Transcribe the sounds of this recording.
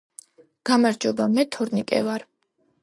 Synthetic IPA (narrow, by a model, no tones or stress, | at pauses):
ɡ̥amaɾd͡ʒɔbamɛt̪ʰɔɾnikʼɛ̰vaɾ